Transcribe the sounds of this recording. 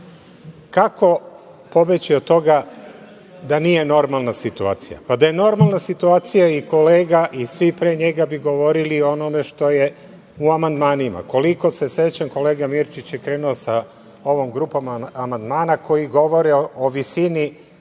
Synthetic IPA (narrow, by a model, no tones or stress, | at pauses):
kako̞ | po̞bet͡ɕiot̪ːo̞ɡa | d̪anije̞no̞ɾmalˠnasit̪ua̰ːt̪sija̰pad̪aje̞no̞ɾmalˠnasit̪uaːt̪sijaiko̞le̞ːɡaʔisʋipɾe̞ːɲe̞ɡabiɡo̞ʋo̞ɾilio̞no̞me̞ʃt̪o̞je̞ | uamand̪maːnima̰ko̞liko̞se̞set͡ɕaŋko̞leːɡamiɾt͡ʃit͡ɕjekɾe̞ːnuosa | o̞ʋomɡɾupamamand̪maːnako̞jiɡo̞ʋo̞ɾɛooʋisini